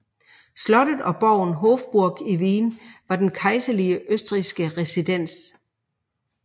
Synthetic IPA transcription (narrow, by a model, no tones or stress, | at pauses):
slɒ̽ɾ̥əðˠɒ̽b̥ɒ̰ʊ̰nɦofb̥uɐɡ̥iʋiːnʋɑ̈d̥enkʰɑ̈ɪsɐliəʔøsd̥ʁisɡ̥əʁɛsid̥en̰s